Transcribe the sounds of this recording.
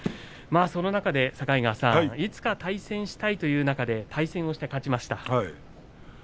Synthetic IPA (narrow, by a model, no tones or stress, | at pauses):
maːso̞no̞nakad̪e̞sakaiɡasã̰it͡sɨ̥kat̪aisẽ̞ɰ̃ɕi̥t̪ait̪o̞jɯ̟ːnakad̪e̞t̪ʰaisẽ̞ɰ̃o̞ɕi̥t̪e̞kat͡ɕimaɕi̥t̪a